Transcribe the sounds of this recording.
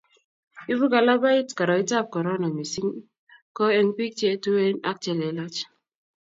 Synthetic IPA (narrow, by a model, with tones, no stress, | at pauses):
i˦vu˦ɡa˨la˦ba˦i˦tka˨ɾa˨i˦ta˦p̚kɔ˨ɾɔ˦na˨mi˨si˦ŋ | kɔ˦ɛ˦npi˦t͡ʃe˦tu˦e˦na̰˦k̚tɛ˨lɛ˨la˦t͡ʃ